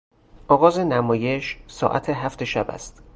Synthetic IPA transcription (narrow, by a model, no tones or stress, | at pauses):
ʔɒːɣɒːze̞næmɒːje̞ʃsɒ̰ːʔæ̰t̪ʰeɦæft̪e̞ʃæbæ̰st̪